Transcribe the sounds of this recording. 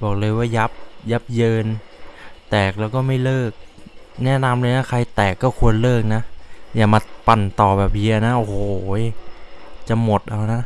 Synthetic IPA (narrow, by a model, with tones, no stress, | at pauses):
bɔː˨˩k̚lɤː˧jwaː˥˩ja˦˥p̚ja˦˥p̚jɤː˧n | t̪ɛː˨˩k̚lɛː˦˥wkɔː˥˩ma˥˩jlɤː˥˩k̚nɛ˦˥˨na˧mlɤː˧jna˦˥˩kʰa˧jt̪ɛː˨˩kːɔː˥˩kʰu˧ənlɤː˥˩k̚na˦˥ʔjaː˨˩maː˧pa˨˩nt̪ɔː˨˩bɛː˨˩p̚ji˧ɐ˧na˦˥ʔo˧˩hoː˨˩˦ | t͡ɕa˨˩mo˨˩t̪̚ʔa˧wna˦˥ʔ